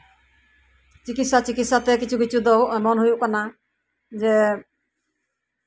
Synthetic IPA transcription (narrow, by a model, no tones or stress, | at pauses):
t͡ʃikit̪sat͡ʃikit̪sat̪ɛkit͡ʃʰukit͡ʃʰud̪ɔmɔnɦujuʔkana | d͡ʒe